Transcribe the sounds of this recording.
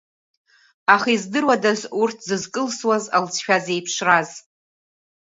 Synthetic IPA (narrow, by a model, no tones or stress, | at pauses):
aχaizdɨrwadazurtʰzɨzkʼɨlswazalt͡sʰʃᶣaze̞jpʰʂraz